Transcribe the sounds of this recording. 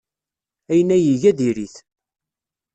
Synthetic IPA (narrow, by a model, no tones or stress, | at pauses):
æjənːæjiʝæðiɾiθ